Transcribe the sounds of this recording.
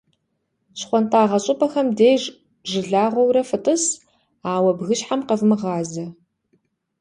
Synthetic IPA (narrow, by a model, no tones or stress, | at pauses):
ɕχʷɔntaːʁɐɕʼɪpʰʼɐxɐmdeːjʐ | ʒɨɮaːʁʷɔwɾɐfɨtʼɨs | aːwɐbɣɨɕħamqɐvmɨʁɑːzɐ